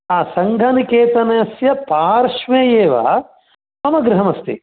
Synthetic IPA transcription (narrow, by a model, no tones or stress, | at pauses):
aːsɐŋɡʱɐnikeːt̪ɐnɐjɐsjɐpaːɾʃʋeːjeːʋɐ̰ | mɐmɐɡɾɪɦɐmɐst̪ḭ